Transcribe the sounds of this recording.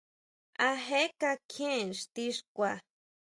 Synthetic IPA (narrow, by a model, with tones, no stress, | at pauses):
a˧ɦe˦ka˧kʰẽ˦˨nʂt̪i˦ʂkʷa˨